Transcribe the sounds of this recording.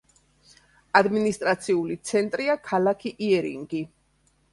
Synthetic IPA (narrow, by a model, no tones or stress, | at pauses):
ad̪minist̪ʼɾat̪sʰiulit̪sʰɛnt̪ʼɾiakʰalakʰiʔiɛɾḭŋɡi